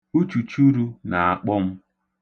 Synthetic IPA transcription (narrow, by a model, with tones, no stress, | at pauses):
u˦t͡ʃu˨t͡ʃu˦ɾu˦na˨a̰˦k͡pɔ˦m̩˦